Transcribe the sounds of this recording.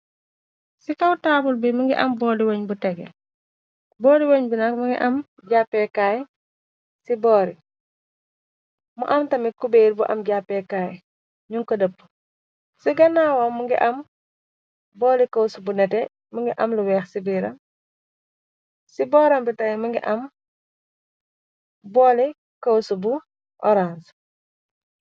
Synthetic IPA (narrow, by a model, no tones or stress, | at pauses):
sikɐwtaːbulbimɐŋɡḭʔɐ̰mbɔːliwoːɲbutɛɡɛ̰ | bɔːliwoɲbunɐkmuŋɡḭʔɐm | ɟapːɛkaːj | sibɔːɾi | muʔɐmtɐmikubeɾbuʔɐ̰mɟapːɛkaːj | ɲuŋkɔdəpː | siɡɐnaːwamːuŋɡḭʔɐm | bɔːlikɐwsubunɛtɛ | muŋɡiʔɐmluwɛːxsibiɾɐm | sibɔːɾɐmbitɐjmuŋɡiʔɐm | bɔːli | kɐwsubu | ʔɔɾans